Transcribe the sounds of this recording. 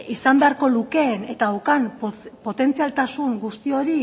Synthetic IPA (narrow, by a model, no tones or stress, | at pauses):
isambe̞aɾko̞luke̞ːne̞t̪awkanppo̞t̪e̞nt͡sialt̪asuŋɡust̪io̞ɾi